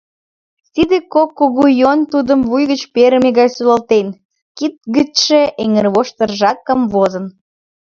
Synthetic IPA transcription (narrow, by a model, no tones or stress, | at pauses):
t̪id̪ekokːoɣujont̪ud̪əmvujɣət͡ɕpeɾəmeɣɑjsulɑlt̪en | kit̪̚ɡət̪ʃeʔeŋərβoʃt̪ərʒɑkəmvozən